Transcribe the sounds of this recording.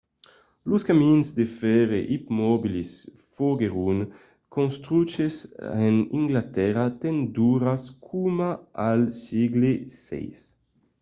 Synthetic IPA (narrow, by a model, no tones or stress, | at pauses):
luskaminzd̪efɛɾeʔipmɔbilis | foɡeɾun | konst̪ɾut͡ʃeseniŋɡlat̪ɛɾat̪end̪uɾaskʰumaalsiɡlesɛ̰js